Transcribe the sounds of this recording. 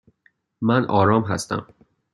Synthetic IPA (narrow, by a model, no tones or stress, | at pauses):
mænʔɒːɾɒːmɦæ̰st̪æ̰m